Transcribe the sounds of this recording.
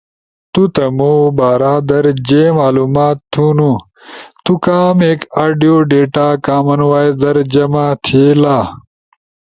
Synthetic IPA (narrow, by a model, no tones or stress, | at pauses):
t̪ut̪ɐmobaːɾaːd̪ɐɾd͡ʑeːmaːluːmaːt̪ʰːunu | t̪ukaːmeːkaːɖijoːɖeːʈaːkaːmɐnwaːjd̪ɐɾd͡ʑɐmat̪ʰelaː